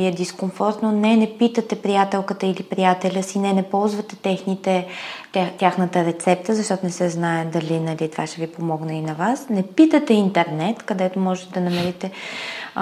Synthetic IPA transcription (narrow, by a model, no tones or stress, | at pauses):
iɛd̪iskomfɔɾt̪nonɛnɛpit̪ət̪ɛpɾijat̪ɛlˠkət̪əilipɾijat̪ɛlʲəsinɛnɛpɔlˠzvət̪ɛt̪ɛxnit̪ɛ | t̪ʲjaxnət̪əɾɛt̪sɛp̚t̪əzɐʃt̪ɔt̪onɛsɛznaɛd̪ɐlinɐlit̪ovaʃɛvipomɔɡnəinɐvasnɛpit̪ət̪ɛint̪ɛɾnɛt̪kɐd̪ɛt̪omɔʒɛt̪ɛd̪ɐnɐmɛɾit̪ɛ